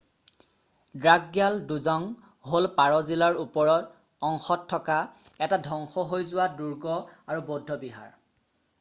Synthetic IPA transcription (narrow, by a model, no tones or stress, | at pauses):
dɹaɡɡjalduzɔŋ | ɦolpaɹɔzilaɹupɔɹɔt | ɔŋxɔtʰːɔkaɛtadʱɔŋxɔɦojzʊwaduɹɡɔaɹubɔdʱːɔbiɦa̰ɹ